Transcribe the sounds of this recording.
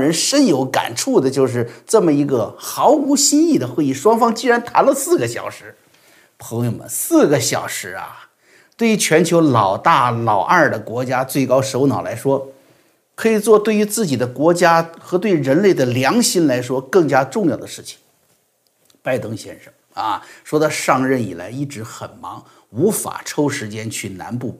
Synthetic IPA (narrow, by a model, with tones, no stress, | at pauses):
ɻə˧˥nʂə˥njo˧˥ʊka̰˨˩nʈ͡ʂʰu˥˩d̪ə˩t͡ɕjo˥˧ʊʂ̬ɻ̩˥˩ʈ͡ʂɤ˥˩mə˩i˧˥ɡə˧xɑ˧˥ʊu˧˥ɕi˥ni˥˩d̪ə˩xwe˥˧ɪi˥˩ʂwɑ˥ŋfɑ˥ŋt͡ɕi˥ɻa˧˥nt̪ʰa̰˧˥nlə˧sɹ̩˥˩ɡə˩ɕjɑ˨˩ʊʂɻ̩˧˥ | pʰɤ˧˥ŋjo˧˩ʊmə̰˨nsɹ̩˥˩ɡə˩ɕjɑ̰˨˩ʊʂɻ̩˧˥ɐ̰˧ | t̪we˥˩ɪy˧˥t͡ɕʰɥɛ˧˥nt͡ɕʰjo˧˥ʊlɑ˨˩ʊt̪a˥˩lɑ˨˩ʊʔa˥˩d̪ə˩kwɔ˧˥t͡ɕja˥t͡swe˥˩ɪkɑ˥ʊʂo˧˥ʊnɑ˨˩ʊla̰˧˥ɪʂwɔ˥ | kʰɤ˧˥i˨˩t͡swɔ˥˧t̪we˥˩ɪy˧˥t͡sɹ̩˥˩t͡ɕi˨˩d̪ə˦kwɔ˧˥t͡ɕja˥xɤ˧˥t̪we˥˩ɪ˧ɻə˧˥nle˥˩ɪd̪ə˩ljɑ˧˥ŋɕi˥nla˧˥ɪʂwɔ˥kɤ˥˩ŋt͡ɕja˥ʈ͡ʂʊ˥˧ŋjɑ˥˩ʊd̪ə˩ʂɻ̩˥˩t͡ɕʰi̥˩ŋ | pa˥˧ɪt̪ɤ˥ŋɕjɛ̰˥nʂɤ˥˩ŋɐ˧ʂwɔ˥d̪ə˧ʂɑ˥˧ŋɻə˥˩nḭ˨˩la̰˧˥ɪi˥˩ʈ͡ʂɻ̩˧˥xə̰˨˩nmɑ˧˥ŋ | u˧˥fa̰˨˩ʈ͡ʂʰo˥ʊʂɻ̩˧˥t͡ɕjɛ˥nt͡ɕʰy˥˩na̰˧˥npu˥˩